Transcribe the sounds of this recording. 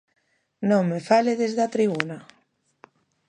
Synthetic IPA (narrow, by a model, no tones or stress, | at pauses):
nõŋmefaleðezðat̪ɾiβuna